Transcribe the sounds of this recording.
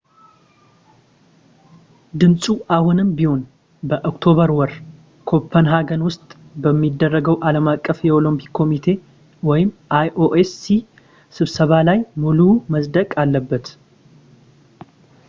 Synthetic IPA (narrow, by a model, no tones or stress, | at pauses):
d̪ɨnsʼuʔahunɨmbiho̞n | bəʔokt̪ʰo̞βəɾwɔɾ | kʰo̞pʰːənɦaɡənwʊst̪ʼbəmːid̪ːərːəɡəwʔaləmakʼːəfjɛo̞lompʰi̥kʰːo̞mit̪ʰe̞ | wɔjɪmʔajʔoʔesi | sɨβsəβalajmuluməsd̪əkʼalːəbːət̪